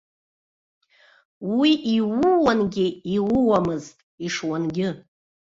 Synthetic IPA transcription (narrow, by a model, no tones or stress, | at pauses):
wiʔiwʊwanɡʲɪiwʊwamɨztʼiʂwanɡʲɪ